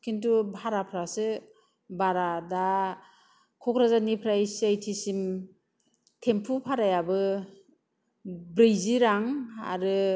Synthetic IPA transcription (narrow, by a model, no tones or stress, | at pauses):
kʰintubʱaɾapʰɾasɯ | baɾada | kʰɔkʰɾazanipʰɾajsiajtʰisim | tʰempʰupʰaɾajabɯ | bɾɯjziɾaŋa̰ɾɯ